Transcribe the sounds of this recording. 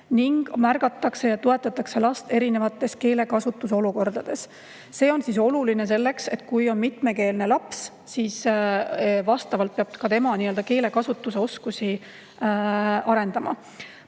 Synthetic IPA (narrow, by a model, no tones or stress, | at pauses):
niŋɡ̥mærɡ̥ɑt̪ːˑɑkse̞jɑt̪ue̞t̪ːˑɑt̪ːˑɑkse̞lɑst̪e̞ɾine̞vɑt̪ːˑe̞ske̞ːle̞kɑsut̪ːˑus̬eo̞luko̞rd̪̥ɑd̪̥e̞s | se̞ːo̞nsiso̞luline̞s̬e̞lːe̞kse̞t̪̚kujo̞nmit̪me̞ke̞ːlne̞lɑps | sis | vɑst̪ɑvɑlt̪̚peɑb̥̚kɑt̪e̞mɑniːø̞ld̪̥ɑke̞ːle̞kɑsut̪ːˑuse̞o̞skusi | ʔɑɾe̞nd̪̥ɑmɑ̰